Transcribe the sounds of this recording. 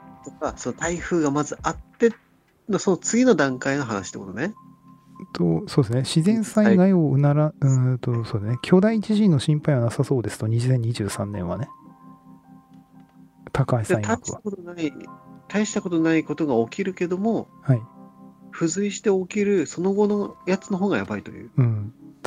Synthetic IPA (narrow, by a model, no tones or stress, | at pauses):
t̪okasonot̪aiɸɯ̟ːɡamazɨʔat̪ːe̞ | nosonot͡sɨɡʲino̞d̪ãŋkaino̞ɦana̰ɕit̪ekot̪one | t̪oso̞ːd̪es̬neɕizẽ̞ɰ̃saiɡaioɯ̟naɾaɯ̃t̪o̞so̞ːd̪esnekʲʰo̞ːd̪aiːt͡ɕiʑĩnːo̞ɕĩmpaiβanasaso̞ːd̪e̞sɨ̥t̪o̞ɲ̟iʑizẽɲ̟ːiʑɨːsãnːẽ̞ɰ̃βa̰ne | t̪ʰakaisaiɡaikaakot̪onait̪ʰaiɕi̥t̪ako̞t̪o̞naiko̞t̪o̞ɡao̞kʲiɾɯ̟ke̞d̪o̞mo̞haiɸɯ̟zɨiɕi̥t̪e̞okʲiɾɯ̟so̞no̞ɡo̞nojat͡sɨno̞ɦo̞ːɡajabait̪o̞̰jɯ̟̰ːɯ̟̃ɴ